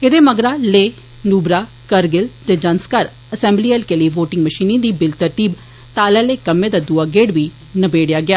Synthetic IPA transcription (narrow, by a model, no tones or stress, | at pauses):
ɪd̪eːməɡɾaːleː | nuːbɾaː | kəɾɡɪlt̪eːd͡ʒənskaɾ | əsɛ̃ːmbliːɛːlkeːliːʋoːʈɪ̃ŋɡməʃiːnĩːd̪iːbɪlt̪əɾt̪iːb | t̪aːlɛːleːkəmːeːd̪aːd̪uaːɡeːɽʋiː | nəbeːɽjaːɡɪjaː